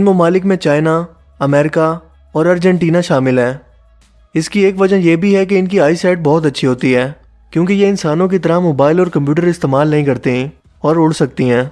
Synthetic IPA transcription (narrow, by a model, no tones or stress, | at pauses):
ɪnmʊmaːlɪkmẽt͡ʃaːɪna | ɐmɛːɾɪka | ɔːɾɐɾd͡ʒɛ̃ɳʈiːnaʃaːmɪlɦɛː | ɪskieːkʋɐd͡ʒəjebʱiɦɛk̬eɪnkiaːisɛːʈ̚bɔːt̪ɐtːʃʰiɦoːt̪iɦɛː | kjõːk̬ejeɪnsaːnõk̬it̪ɐɾamoːbaːɪlɔːɾkɐ̃mp̬juːʈəɾɪst̪eːmaːlnɐɦĩkɐɾt̪eĩ | ɔːɾʊːɽsɐk̚t̪iɦɛ̃ː